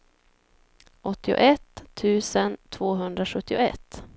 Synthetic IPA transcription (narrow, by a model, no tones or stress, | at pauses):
ʔɔt̪ʰːɪʊ̰ʔɛt̪ʰːʉ̟ːsənt̪ʰvoːɦɵnd̪ɾaɧɵt̪ːɪʊɛ̰t̪ː